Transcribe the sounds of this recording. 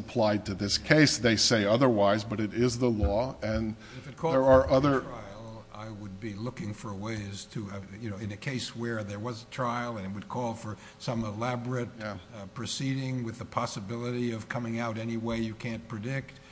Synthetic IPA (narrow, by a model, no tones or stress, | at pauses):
əpʰl̥aɪd̚tʰɨðɪskʰeɪsðeɪseɪʌðə˞waɪzbʌɾɨɾɪzðəlɔɨ̃n | ɨfɨt̚kʰɔə˞ə˞ʔʌðə˞ɹ̥aɪl̩ˠ | a̰ɪwəd̚bilʊkɪ̃ŋfə˞weɪz̥tʰɨjɨnoʊɨ̃nɨkʰeɪswə˞ðə˞wʌzətʰɹ̥aɪlˠɨ̃nɨt̚wɨd̚kʰɔlˠfə˞ | sʌ̃məlæbɹɨt̚pʰɹ̥ɨsiɾɪ̃ŋwɨðəpʰɑsɨbɪlˠəɾiʌv̥kʰʌmɪ̃ŋaʊɾɛniweɪjɨkʰæ̃npʰɹ̥ɨdɪk̚t̚